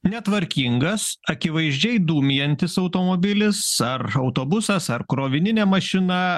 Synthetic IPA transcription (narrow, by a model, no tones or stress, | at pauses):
nʲɛt̪ʋɐɾʲkʲiŋɡɐsɐkʲɪʋɐɪʒʲd͡ʒʲɛɪd̪uːmʲɪjɛnʲt̪ʲɪsɒʊt̪oːmoːbʲɪlʲɪsɐɾɐʊt̪oːbʊsɐsɐɾkɾoːʋʲɪnʲɪnʲeːmɐʃʲɪnɐ